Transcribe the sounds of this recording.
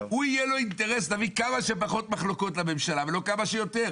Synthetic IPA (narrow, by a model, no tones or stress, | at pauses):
huijelo̞int̪e̞ʁe̞st̪avikamaʃepaχo̞t̪maχlo̞ko̞t̪lame̞mʃalave̞lo̞kamaʃejo̞t̪e̞ʁ